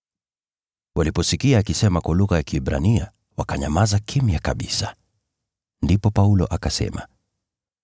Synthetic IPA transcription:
walipɔsikiaːkisɛmakwɔluɣajakiɛɓɾa̰nia | wakaɲamazakʰimiakaɓḭsa | ndipɔpaulɔ̰ʔakasɛ̰ma̰

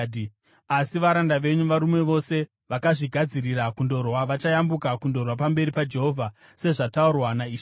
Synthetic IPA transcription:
asiʋaɾandaʋe̞ɲuʋaɾumwe̞ʋo̞se̞ | ʋakaʐiɡʱad͡ziriɾakundo̞rwaʋat͡ʃajambukakundo̞rwapambe̞ɾipad͡ʒe̞ɦo̞vʱa | se̞ʐataurwanaiːʃa

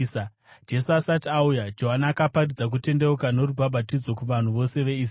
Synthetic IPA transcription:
d͡ʒe̞suasatiaujad͡ʒo̞ɦanaːkaparid͡zak̬ute̞nde̞ukano̞ɾubʱabʱatid͡zo̞kuʋan̤uʋo̞se̞ʋe̞i

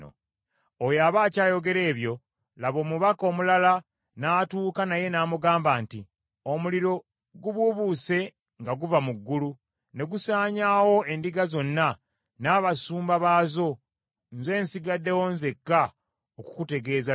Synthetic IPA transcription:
o̰ | ojaβaːcaːjo̞ɡe̞ɾe̞ːβjo̞ | laβo̞ːmuβako̞ːmulala | naːtuːkanaje̞naːmuɡaːmbaːnti | omuliɾo̞ | ɡuβuβuse̞ | ŋɡaɡuvamuɡːulu | ne̞ɡusaːɲaːwo̞e̞ndiɡazo̞nːa | naːβasuːmbaβaːzo̞ | nze̞ːnsiɡadːe̞wo̞nze̞kːa | oku̥kute̞ɡe̞ːza

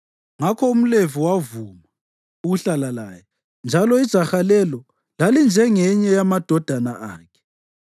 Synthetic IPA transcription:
ŋakʰɔum̩leviwavuma | uɣuɬalalaːjɛ | nd͡ʒʱalɔid̥ʒ̥ʱaxalɛlɔ | lalind͡ʒʱɛŋɛɲɛjamad̥ʱɔd̥ʱanaʔa̰ːkʰɛ̥

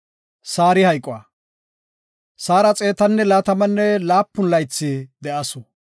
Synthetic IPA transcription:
saːɾɪhɐjkʼːʊa | saːɾɐt͡sʼe̞ːt̪ɐnːɛlaːt̪ɐmɐnːɛlaːpːʊnlɐjt͡sːɪd̪ɛʔɐsʊ

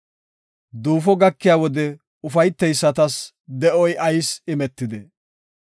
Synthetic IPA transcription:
d̪uːfɔɡɐkːɪjaːwɔd̪ɛ | ʊfɐjt̪ːɛjsːɐt̪ɐs | d̪ɛʔɔjʔɐjsɪmɛt̪ːɪd̪ɛ

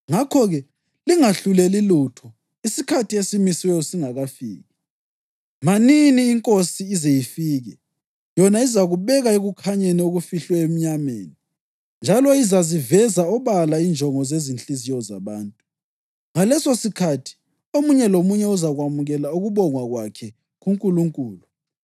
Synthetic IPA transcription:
ŋakʰɔɣɛ | liŋaɬulɛlilutʰɔ | isikʰatʰiesimiswɛjɔsiŋaɣafḭːɣɛ | maniniːŋkʼosiːzejifiːɣɛ | jɔnaizaɣuβɛɣaeɣukʰaɲɛnɛuɣufiɬwɛem̩ɲamḛːni | nd͡ʒʱalɔizazivɛzaɔβalaind͡ʒʱɔŋɔzezint͡ɬʼizijɔza̰βaːntʼu | ŋalɛsosikʰatʰi̥ | omuɲɛlomuɲɛuzaɣwamuɣɛlauɣuβɔŋwaɣwakʰɛ | ɣuŋkʼuluŋkʼuːlu

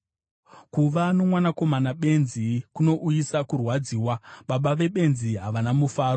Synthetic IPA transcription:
kuʋano̞mwanako̞manaɓe̞nzikuno̞ʔujisakurwad͡ziːwaɓaɓaʋe̞ɓe̞nziɦaʋanamufaːro

